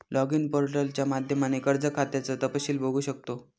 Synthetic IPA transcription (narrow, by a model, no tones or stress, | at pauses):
lɔɡinpoɾʈəlt͡ɕjamad̪ʱjəmanekəɾd͡zəkʰat̪jat͡sət̪əpəɕiːlbʱoɡʱuːɕək̚t̪o